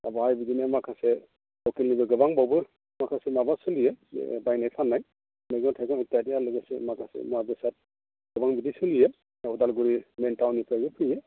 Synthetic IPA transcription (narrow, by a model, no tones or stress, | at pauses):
a̰bajbidinɛmakʰasɛ | ɔkilnibɯɡɯbaŋbɔwbɯɹ | makʰasɛmabatsulijɛ̰bajnajpʰanːaj | mɛɡɔtʰakɔnitiatijalɯɡasɛmakʰasɛ̰mabɛsat̚ | ɡ̥ɯbaŋbidisulijɛ | ɔdalɡuɹimɛntawnipʰajbɯpʰɯijɛ